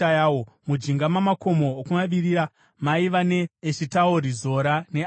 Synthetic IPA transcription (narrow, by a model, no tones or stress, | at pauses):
ajawo | mud͡ʒiŋɡamamako̞mo̞ːkumaʋiriɾa | maiʋane̞ːʃitaoɾizo̞ɾane̞